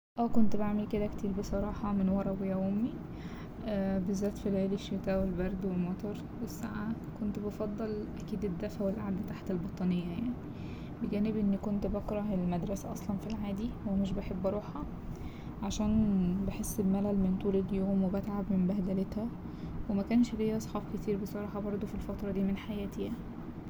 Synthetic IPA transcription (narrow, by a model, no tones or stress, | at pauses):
ʔæːkont̪baʕmelked̪ækt̪iːɾbesˤɑɾˤɑːħɑmenwɑɾˤɑwejæomːi | ʔæbezːæːt̪filʕeːleʃːet̪æːwelbæɾˤd̪welmɑt̪ˤɑɾˤ | wesːaʕakont̪bɑfɑd̪ˤːelʔækiːd̪ed̪ːæfæwelʔaʕd̪æt̪aħt̪elbɑt̪ˤɑnejːæjaʕni | beɡæːnebʔenːkont̪bɑkɾˤɑhelmæd̪ɾˤɑsæʔɑsˤlɑnfilʕaːd̪iwemeʃ̬beħebːɑɾˤuːħhɑ | ʕaʃæːnbeħesːebmælælment̪uːlelːjoːmwebæt̪ʕabmembæhd̪ælet̪hæ | wemækæːnʃlejːæʔsˤħɑːbket̪iːɾbesˤɑɾˤɑħɑbɑɾˤd̪ˤofilfɑt̪ɾˤɑd̪iːmenħajæːt̪ejæni